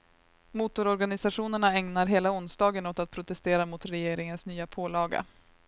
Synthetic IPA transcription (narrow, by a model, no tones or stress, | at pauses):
muːt̪ʊɾɔɾɡanɪsaɧuːnəɳaɛŋnaɾɦeːlaʊnsd̪ɑːɡənɔt̪at̪̚pʰɾʊt̪ɛst̪eːɾamʊt̪ɾɛjeːɾɪŋənsnyːapʰoːlɑːɡə̰